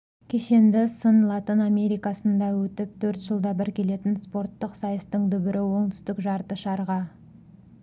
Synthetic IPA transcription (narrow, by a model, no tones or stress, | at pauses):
kʲʰe̞ʃe̞nd̪ɪsənlˠɑt̪iname̞ɾijkɑsənd̪ɑwɵt̪ɪp̚t̪ʰɵɾt̪ʒ̥əlˠd̪ɑbɪɾkʲe̞le̞t̪ɪnspo̞ɾt̪ːəqsɑjəst̪əɴd̪ʏbɪɾʔɪwo̞ɴt̪ʏ̥st̪ɪkʒɑɾt̪əʃɑɾʁɑ